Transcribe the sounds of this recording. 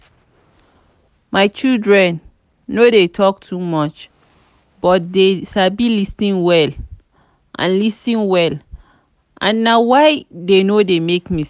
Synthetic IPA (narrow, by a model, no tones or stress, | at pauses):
maɪt͡ʃildɹɛ̃nː | odetʰɔk̚tʰumɔt͡ʃ | b̥ɔt̚deʃabilistĩnwɛl | ʔã̰nlistĩnwɛl | ʔã̰nːawaɪdenodemekmi